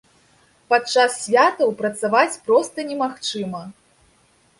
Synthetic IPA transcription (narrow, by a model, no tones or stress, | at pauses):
pat͡ʂːasːʲvʲat̪ɐwpɾɐt̪savat͡sʲpɾɔst̪ɐnʲɛmaxt͡ʂɨmɐ